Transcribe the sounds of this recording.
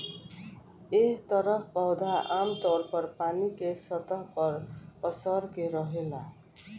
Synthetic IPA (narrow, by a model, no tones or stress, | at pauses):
eht̪ʌɾʌpʰpʌwd̪ʱaʔamt̪ʌrpʌrpanikesʌt̪ʌɦpʌrpʌsʌrkeɾʌɦela